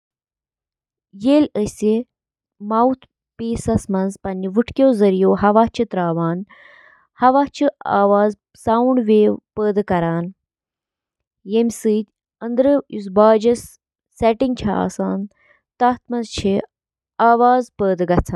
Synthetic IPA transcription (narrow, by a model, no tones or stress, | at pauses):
jeːlʲəse | mawt̪ʰ | peːsɐsmɐnzpɐniʋɨʈʰkʲoːzɐɾijoːhɐʋaːt͡ʃʰit̪ɾaːʋaːn | hɐʋaːt͡ʃʰia̰ːʋaːz | sawuɳɖʋeːpəːd̪ɨkɐɾaːn | jemʲsɨːt̪ʲ | ɐnd̪ɾɨjus̬baːd͡ʒɐsː | eʈiŋɡ̚t͡ʃʰɐa̰ːsaːn | t̪aːt̪ʰmɐnzt͡ʃʰi | aːʋaːzpəːd̪ɨɡɐt͡sʰa